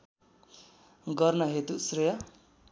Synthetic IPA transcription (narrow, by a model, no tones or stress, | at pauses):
ɡʌrnʌɦet̪usrʌjʌ